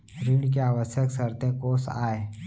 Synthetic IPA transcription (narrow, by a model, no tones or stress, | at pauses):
ɾuɳkeaʋəsjəksəɾt̪əkosa̰e